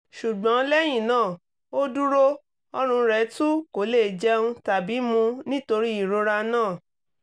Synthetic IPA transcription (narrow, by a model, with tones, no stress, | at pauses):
ʃu˨ɡ͡bɔ̃˨˦lɛ˦j̃ĩ˦˨nãː˦˨ | o˦du˦ɾo˦ | ɔ˧ɾ̃ũ˧ɾɛ˨˦tu˦ko˨le˦˨d͡ʒɛ˦ũ˧˦ta˨bi˨˦mũ˧nĩ˦to˧ɾi˦i˦˨ɾo˧ɾa˧nãː˦˨